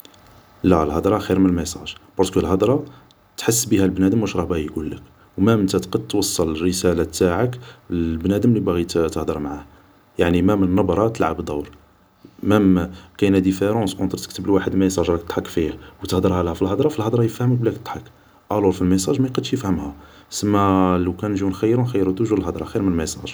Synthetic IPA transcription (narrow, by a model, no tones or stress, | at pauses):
lælhɑd̪ɾˤɑxiɾmənəlmesˤɑ̰ʒbɑɾˤskəlɦɑd̪ɾˤɑ | t̪ħəsːbihælbnæd̪əmwæʃɾˤɑhbæɣijɡulːə̰k | wmæmənt̪æt̪qɑd̪̚t̪ːwɑsˤːɑlərəsælæt̪ːaʕəkbnæd̪əmlibæɣit̪t̪əhd̪əɾˤmʕah | jaʕnimæmənənːɑbɾˤɑt̪əlʕabd̪ˤɑwɾ | mæmkænæd̪ifeɾɑ̃sʔɑ̃nt̪ɾt̪ək̚t̪əblwaħəd̪mæjsˤɑʒɾɑkt̪t̪ˤħɑkːfihwt̪əhd̪əɾhælhæfilhɑd̪ˤɾˤɑfilhɑd̪ˤɾˤɑjəfhəmək̚blækt̪t̪ːˤħɑk | ʔɑluɾfilmes̬ˤɑʒmæjqɑd̪ʃjəfhəmhæ | səmːæləwkænʒwunxæjːɾunxæjːɾud̪uʒulɦɑd̪ɾˤɑxiɾmənəlmesˤɑ̰ʒ